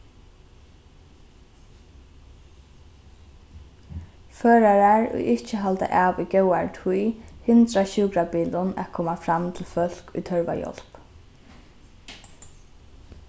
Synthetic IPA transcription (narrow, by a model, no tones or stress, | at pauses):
føːɹaɹaɹʊ̰ʔɪht͡ʃəɦalt̪a̰ʔaːʋḭɡɛwaɹt̪ʰujhɪnt̪ɾaʃuːkɾapiːlʊna̰kʰɔːmafɾamt̪ʰɪlfœl̥kʊjt̪ʰœɹʋa̰jɔ̰l̥p